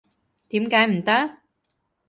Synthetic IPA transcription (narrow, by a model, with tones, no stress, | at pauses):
t̪i˨˩˦mkaː˨˦jm̩˨˩t̪aː˦˥